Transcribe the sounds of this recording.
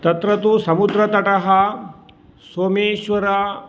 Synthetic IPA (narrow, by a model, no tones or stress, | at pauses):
t̪ɐt̪ɾɐt̪usɐmud̪ɾɐt̪ɐʈɐɦɐ | soːmeːʃʋɐɾɐ